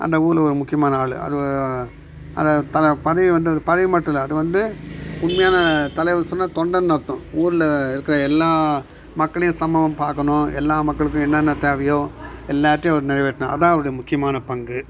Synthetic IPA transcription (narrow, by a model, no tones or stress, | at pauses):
ʔɐ̰nd̪ɐuːɾlɔɾɯmʊkːɪjɐmaːnɐaːɭɯ̰ɐ̰ðɯ | ɐ̰nðɐt̪ɐpɐðɐʋiʋɐnd̪ɯɐðɯpɐðɐʋimɐʈːɯlɐðɯʋɐnd̪ɯʊnmɐjaːnɐt̪ɐlɐɪʋsɔnːaːt̪ɔɳɖɐnnɐɾt̪ːʊ̃uːɾɪlɪɾɯkːɪɾɐɛlːaː | mɐkːɐɭɐjʊ̃sɐmbɐʋɐmpaːɾkɐɳʊ̃ɛ̰lːaːmɐkːɐɭɯk̬ːʊ̃ɛnːɐnːɐt̪eːʋɐjõːɛlːaːʈːɪj̃ɐʋɐɾɯnɪɾɐjʋeːʈːɐnɐ̃ʔɐ̰ðãːɐʋɐɾɯɽɐjɐmʊkːɪjɐmaːnɐpɐŋɡɯ